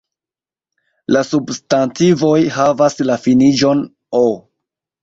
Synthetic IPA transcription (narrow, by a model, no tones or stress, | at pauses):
lasubstantivo̞jhavaslafinid͡ʒo̞n | o